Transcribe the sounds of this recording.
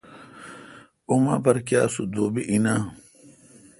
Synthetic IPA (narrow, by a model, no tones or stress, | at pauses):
umapɐɾkjaːsud̪oːbiʔina